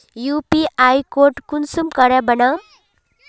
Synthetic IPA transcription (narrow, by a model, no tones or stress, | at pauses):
jupiajkoʈkunsumkʌɾabəna